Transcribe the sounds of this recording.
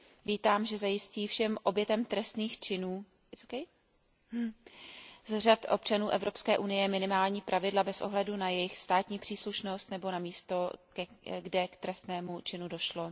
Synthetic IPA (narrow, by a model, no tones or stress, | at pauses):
viːt̪aːmʒɛzajɪsciːfʃɛmʔo̞bjɛt̪ɛmt̪ɾɛst̪niːxt͡ʃɪnuː | t͡sokɛj | zr̝at̪ʔo̞̰p̚t͡ʃanuːʔɛvɾo̞pskɛːʔunɪjɛmɪnɪmaːlɲiːpɾʔavɪdlabɛsʔoɦlɛdunajɛjɪxst̪aːt̪ɲiːpr̥iːsluʃno̞st̪nɛbo̞namiːst̪o̞kɛɡdɛkt̪ɾɛst̪nɛːmut͡ʃɪnudo̞ʃlo